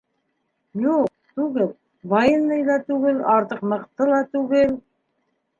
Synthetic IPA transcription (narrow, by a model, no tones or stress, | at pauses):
juq̚t̪ʉɡɘl | βɑjɤ̆nːɤjlˠɑt̪ʉɡɘlɑɾt̪ɤqmɤ̆qt̪ɤlˠɑt̪ʉɡɘl